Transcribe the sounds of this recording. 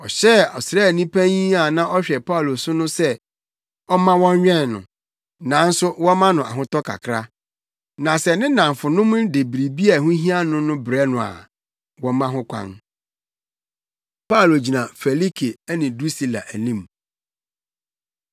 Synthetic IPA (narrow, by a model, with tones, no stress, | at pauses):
ɔ˨ɕɛ˦ɔ˨sɾɛ˦˨nĩ˦pʰæ̃˦ɲĩ˦a˨nã˦ʔɔ˦ɕᶣɛ˨pʰa˦˨lo˨sʊ˦nʊ̃˦sɛ˦ | ɔ˦mã˦wɔ̃˦ɲ˦ɲᶣɛ̃˦˨nːʊ̰̃˨ | nã˨˦n̩˦sʊ˦wɔ̃˦mã˦nʊ̃˨a̰˨ɦʊ̃˦tɔ˦kʰa̰˨kʰɾa˦ | nã˨sɛ˨nɪ̃˦nã˨ɱ˨fʊ˨nʊ̃˦mʊ̃˦de˨bɾi˨bi˦a˨ɦʊ̃˦ɦĩ˦a˦nʊ̃˦nʊ̃˦bɾɛ˦nʊ̃˨a̰˨ | wɔ̃˦mã˦ɦʊ̃˦kʷʰã̰˦n | pa˦˨lo˨d͡ʑi˨nã˨fɛ˨li˦kʰe˨˦nɪ̃˨du˦si˦la̰˨ʔæ˨nĩ˦˨m